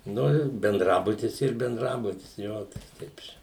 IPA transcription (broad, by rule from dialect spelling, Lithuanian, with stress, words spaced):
ˈnʊ ɪr bʲɛnˈdrɑːbʊtʲɪs ˈiːr bʲɛnˈdrɑːbʊtʲɪs ˈjoː ˈtɐɪ ˈtʲɛɪp t͡ʃʲɛ